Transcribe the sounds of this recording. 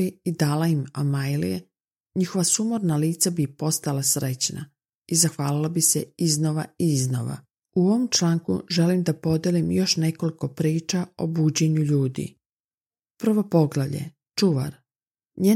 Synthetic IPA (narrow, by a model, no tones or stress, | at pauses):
iid̪aːlaimamajlḭjḛ | ɲixo̞ʋasumoɾnaliːt̪sabipo̞st̪alasɾet͡ɕna̰ | izaxʋaːlilabiseizno̞ʋaiizno̰ʋa̰ | uo̞ʋomt͡ʃlˠaːŋkṵʒe̞limd̪apo̞d̪jelimjo̞ʃne̞ko̞liko̞pɾiːt͡ʃao̰buːd͡ʑe̞ɲuʎuːd̪ḭ | prɾ̩ʋo̞po̞ɡlaʎḛ | t͡ʃuʋa̰ɾ | ɲeː